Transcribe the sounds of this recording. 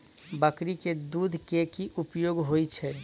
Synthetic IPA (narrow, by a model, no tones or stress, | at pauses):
bəkɾiked̪ud̪ʱkekiʔupjoɡɦojt͡ʃʰɛ